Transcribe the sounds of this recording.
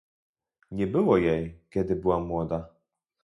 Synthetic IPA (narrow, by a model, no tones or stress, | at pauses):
ɲɛbɘwɔjɛjkʲɛd̪ɘbɘwamwɔd̪a